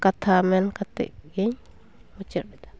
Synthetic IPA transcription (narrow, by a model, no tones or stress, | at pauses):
kat̪ʰamɛnkat̪ɛ̰ʔɡɛɲ | ut͡ʃəʔ̚ɾɛd̪ḁ